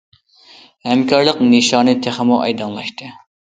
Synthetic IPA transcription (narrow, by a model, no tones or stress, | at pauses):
hɛmkɑɾlˠəqnɨʃɑːnɨt̪ʰeχɪmuʔɑ̰jd̪ɑnlˠɑʃt̪ʰɨ